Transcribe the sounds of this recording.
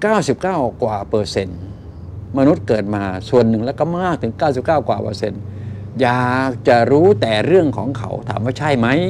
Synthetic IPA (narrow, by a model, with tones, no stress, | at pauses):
kaː˥˩wsi˨˩p̚kaː˥˩wkwaː˨˩pɤː˧se˧n | ma˧nu˦˥t̪̚kɤː˨˩t̪̚maː˧su˨˩ənːɯ˨˩ŋlɛː˦˧˩wkɔ˧˥˩maː˥˩k̚t̪ʰɯ˨˩˦ŋkaː˥˩wsi˨˩p̚kaː˥˩wkwa̰ː˨˩pɤ̰ː˧˩se˧n | jaː˨˩k̚t͡ɕa˨˩ɾuː˦˥t̪ɛː˨˩ɾɯ˥˩əŋkʰɔ̰ː˩˦ŋkʰa̰˨˩wt̪ʰa̰ː˩˦mwaː˧˥˩t͡ɕʰa˥˩jma˦˥j